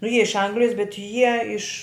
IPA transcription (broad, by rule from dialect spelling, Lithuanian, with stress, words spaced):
nʊ ˈjiɛ ɪʃ ˈɐŋɡlʲɪjɛs bʲɛt ˈjiɛ ɪʃ